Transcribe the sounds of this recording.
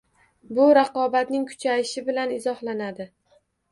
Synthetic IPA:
bʊɾɑqɒbat̪nɪŋkʰʊ̥t͡ʃʰajɪʃɪbɪlanɪzɒhlanad̪ɪ

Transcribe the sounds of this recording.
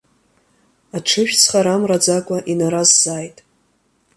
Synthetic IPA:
aʈ͡ʂʰɨʃᶣt͡sʰχaɾamrad͡zakʷʼaʔinaɾazːaːjtʼ

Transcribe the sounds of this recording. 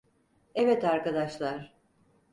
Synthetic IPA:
evɛt̪aɾkad̪aʃlˠaɾ̥

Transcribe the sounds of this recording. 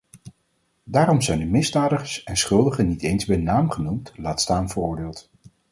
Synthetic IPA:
daːrɔmzɛjndəmɪzdaːdəχəsɛnsχɵlˠdəχənitejnzbɛjnaːmχənumtlaːtstaːmvərʊːɹdɪːlˠt

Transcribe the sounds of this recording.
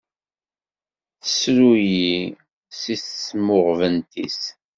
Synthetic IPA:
θəsɾuji | siθsmʊʁvənt̪is

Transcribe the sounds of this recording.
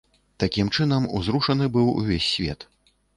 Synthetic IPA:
t̪akʲimt͡ʂɨnɐmṵzɾuʂɐnɨbɨwṵvʲesʲːvʲɛ̰t̪

